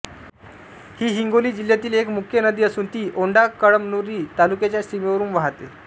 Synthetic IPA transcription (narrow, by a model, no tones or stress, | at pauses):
hiːɦiŋɡoliːd͡ʑil̤jat̪iːlekmukʰjənəd̪iːəsuːnt̪iːʔoɳɖakəɭəmnuɾiːt̪alukjet͡ɕjasimeʋəɾuːnʋaɦat̪ḛ